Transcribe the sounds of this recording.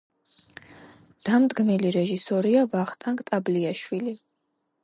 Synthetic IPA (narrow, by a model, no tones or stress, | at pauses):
d̪̥amd̪ɡmiliɾɛʒisɔɾiavaχt̪ʼaŋkʼt̪ʼabliaʃwili